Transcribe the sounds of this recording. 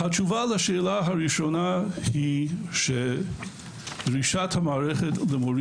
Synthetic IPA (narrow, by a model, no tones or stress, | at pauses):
hat͡ʃuvalaʃeːlaɦaɹiʃonahiʃe | d̥ɾiʃathamaːɾɛχetləmoɾ